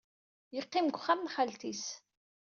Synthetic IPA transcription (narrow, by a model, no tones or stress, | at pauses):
jəqːimɡʷχamnχalt̪is